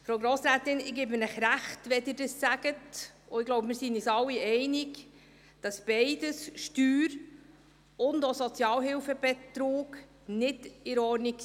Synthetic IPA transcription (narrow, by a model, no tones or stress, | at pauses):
fɾowɡɾoːsɾaːtɪnɪɡeːbmənəχɾæχtʋɛdɪːɾdəsːæɡətʔʊɪɡ̥loʊbmɪːɾsinisɑlːiɛɪnɪk | d̥ɑsb̥ɛɪd̥əsʃtyːɾ | ʊndosɔt͡sjɑːlɦɪlfəb̥ɛtɾoːk | nɪdɪɾɔɾnik